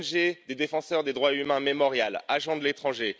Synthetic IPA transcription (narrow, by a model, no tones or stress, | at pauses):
nʒed̪ed̪efɑ̃sœʁd̪ed̪ʁwaymɛ̃memɔʁjalaʒɑ̃d̪əlet̪χɑ̃ʒe